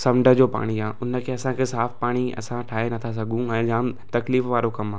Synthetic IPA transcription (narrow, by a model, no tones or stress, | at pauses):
sɐmɖʱə̆d͡ʑoːpa̰ːɽ̃iaːʊnə̆kʰeːɐsãkʰeːsaːfpaːɽ̃iɐ̰sãʈʰaːɦenɐt̪ʰas̬ɐɡʱũɛ̃ːd͡ʑaːm | t̪ɐkliːfʋaːɾokɐmaː